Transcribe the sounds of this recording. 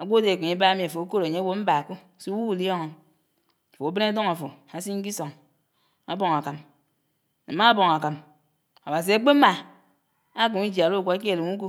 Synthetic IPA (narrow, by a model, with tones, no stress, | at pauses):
a˨ɡʷo˦de˨ki˨e˦ba˦mi˨a˨fo˨o˦ko˦ɾo˨ɲe˦wo˦m̩˦ba˨a˨ko˦˨si˦wu˦u˨li˦ɔ˦ŋo˨n | a˨fo˨a˨˦be˦na˦do˦ŋa˨fo˨ | a˨si˦ŋ̩˦ki˦so˨ŋ | a̰˦bo˨ŋ˨a˨ka˨m | ne˨ma˦bo˨ŋa˨ka˨m | o˨ba˨s̬i˨a˨k͡pe˦ma˦˨ | a˦k̬u˨mi˦d͡ʒi˨a˨lo˦˨kʷa˨a˦k̬e˦e˨li˨mu˦k̬u˦